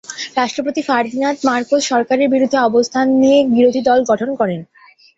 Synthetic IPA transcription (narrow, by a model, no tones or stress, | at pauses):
ɾaʃʈɾopot̪ifaɾd̪inat̪maɾkosʃɔɾkaɾeɾbiɾud̪ʱːeɔbost̪ʰanniebiɾod̪ʱid̪ɔlɡɔʈʰonkɔɾen